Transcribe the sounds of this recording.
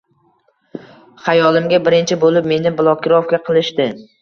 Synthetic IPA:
χajɒlˠɪmɡʲabɪɾɪnt͡ʃʰɪbolɪp̚me̞nɪbɪlˠɒkʲɪɾɒfkʲaqʰɨlˠɪʃt̪ɪ

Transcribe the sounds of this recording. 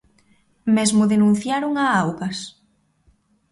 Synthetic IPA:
mezmʊðenũn̟θjaɾoŋaawɣɐs

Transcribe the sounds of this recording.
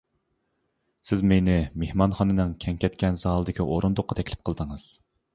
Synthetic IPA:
sɪzmenɪmehmɑnχɑnɨnɨŋkʲʰɛŋkʲʰɛt̪kʲɛnzɑːlˠɨd̪ɪkʲʰiʔoɾund̪ʊqːɑt̪ʰɛkʲlɪp̚qʰəlˠd̪əŋɨz̥

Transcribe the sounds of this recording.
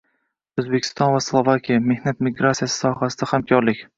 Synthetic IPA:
ɵzbekʲʰɪ̥st̪ɒnvaslˠovakʲʰijame̞hnat̪mɪɡɾat̪sijasɪ̥sɒhasɪd̪ahamkʰɒɾlɪkʲ

